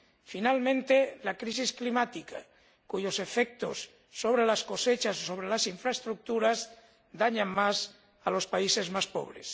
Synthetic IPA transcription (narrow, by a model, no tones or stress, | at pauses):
finalmẽnt̪elakɾis̬isklimat̪ika | kuʎosefek̚t̪o̰sː | oβ̞ɾelasko̞set͡ʃasosoβ̞ɾelasiɱfɾaest̪ɾuk̚t̪uɾaz | d̪aɲaŋmas | alo̞spaisezmaspo̰β̞ɾḛs